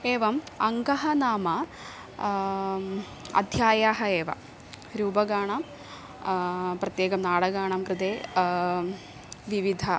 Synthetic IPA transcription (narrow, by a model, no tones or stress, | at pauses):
eːʋɐmɐŋɡɐɦɐnaːmɐ | ɐ̰d̪ʱjaːjaːɦɐeːʋɐ̰ | ɾuːbɐɡaːɳɐm | prɐt̪jeːɡɐmnaːɽɐɡaːɳɐmkrɨd̪eː | ʋiʋid̪ʱɐ